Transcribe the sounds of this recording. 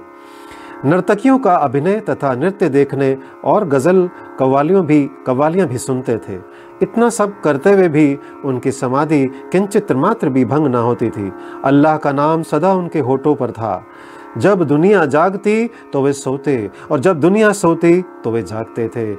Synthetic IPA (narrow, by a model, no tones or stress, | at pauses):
nɐɾt̪əkijõkaɐbʱɪnət̪ɐt̪ʰanɪɾt̪jəd̪eːkʰne | ɔːɾɡɐzəl | kɐʋaːlijõbʱikɐʋaːlijãbʱisʊnt̪et̪ʰḛː | ɪt̪nasɐb̚kɐɾt̪eʋebʱi | ʊnkisɐmaːd̪ʱikɪ̃nt͡ʃɪt̪ɾəmaːt̪ɾəbʱibʱɐ̃ŋɡnaɦoːt̪it̪ʰḭːɐlːaːɦkanaːmsɐd̪aʊnkeɦoːʈõpɐɾt̪ʰa̰ː | d͡ʒɐbd̪ʊnijad͡ʒaːɡt̪i | t̪oʋesoːt̪e | ɔːɾd͡ʒɐb̚d̪ʊnijasoːt̪it̪oʋed͡ʒaːɡt̪et̪ʰeː